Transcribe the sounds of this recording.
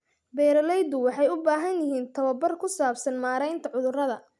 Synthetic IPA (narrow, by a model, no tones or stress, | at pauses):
bɛːɾɐlɛjd̪ʊwɑħɑjʊbaːɦɐnjɪɦiːnt̪ʰɐwɐbɐrkʰʊsaːbsɐnmaːɾɛjnt̪ʰɐʕʊðʊrɐðɐ